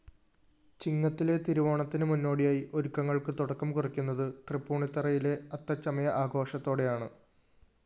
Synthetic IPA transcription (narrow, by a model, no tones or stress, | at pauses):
t͡ɕiŋːɐt̪ːile̞t̪iɾuʋoːɳɐt̪ːinɨmunːo̞ːɽijaːjiʔo̞ɾukːɐŋːɐɭkɨt̪uɽɐkːɐmkurikʲːunːɐðɨt̪rɨpːuːɳit̪ːɐrɐjile̞ɐt̪ːɐt͡ɕːɐmɐjɐʔaːɡo̞ːʂɐt̪ːo̞ːɽe̞jaːɳɨ